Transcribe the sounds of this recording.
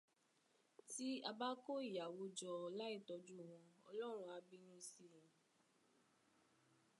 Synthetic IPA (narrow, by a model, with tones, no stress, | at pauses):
ti˦a˧ba˦ko˦i˦˨ja˨wo˧d͡ʒɔ˧la˦i˦˨tɔ˧d͡ʒu˦˨w̃ɔ̃˧ɔ̰˧lɔ˦ɾ̃ũ˧˦a˧bi˦nũ˦si˦˨ĩ˨